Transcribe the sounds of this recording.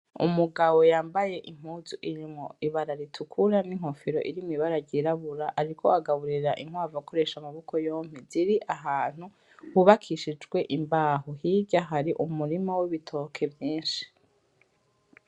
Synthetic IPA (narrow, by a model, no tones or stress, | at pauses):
ṵmuɡawo̞jaːmbaje̞ʔim̥huːzuʔiɲimŋo̰iβaɾaɾitʰukʰuɾaniŋ̥ho̞fiɾo̞̰ʔiɾimŋiβaɾaɟiɾaβuɾaʔaɾikʰo̞̰aɡaβuɾiɾaʔiŋ̥waːvako̞ɾe̞ʃamaβokojo̞ːmiziɾiʔaɦaːn̥hu | huβakʰiʃid͡ʒɡwe̞ʔimbaːhohiɟaɦaɾiʔumuɾimawiβitʰo̞ːkʰe̞vjiːnʃi̥